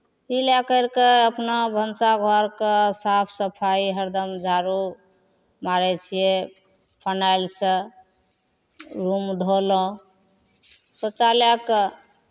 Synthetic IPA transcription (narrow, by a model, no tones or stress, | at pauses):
tiljakəɾkeəpnabʱənsaɡʱɔɾkəsapʰsəpʰaiɦəɾd̪əmd͡ʒʱaɾu | maɾɛt͡ʃʰije | pʰanajlsə̃ | ɾumd̪ʱolɔ̃ | sət͡ʃaljakə